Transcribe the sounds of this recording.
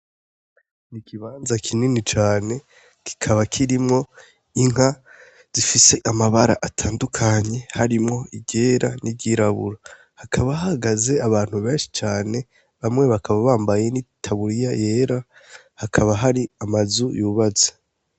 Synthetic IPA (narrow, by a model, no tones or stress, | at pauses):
nikʰiβaːnzakʰininit͡ʃaːne̞ | ki̥kʰaβakʰiɾimŋo̞ | iŋ̥ɦa | z̥ifise̞ʔamaβaɾa̰ʔatʰaːndukʰaɲe̞haɾimŋo̞ibɟe̞ːɾa̰nib̚ɟiɾaβṵɾa | hakʰaβahahaɡaze̞aβaːn̥huβe̞ːnʃi̥t͡ʃaːne̞ | βamŋe̞βakʰaβaβaːmbaje̞nitʰaβuɾijaje̞ːɾa | hakʰaβaɦaɾiamazujuβaze̥